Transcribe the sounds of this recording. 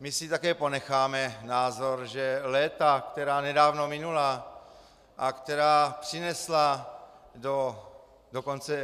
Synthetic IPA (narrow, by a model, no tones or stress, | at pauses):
mɪsɪt̪akɛːpo̞nɛxaːmɛnaːzoɾʒɛlɛːt̪akt̪ɛɾaːnɛdaːvnomɪnula | ʔakt̪ɛɾaːpr̝̥ɪnɛsla | do | doko̞nt͡sɛ